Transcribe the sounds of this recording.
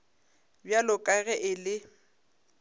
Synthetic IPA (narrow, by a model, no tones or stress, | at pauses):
bjalʊkʼaɣɛʔɪlɪ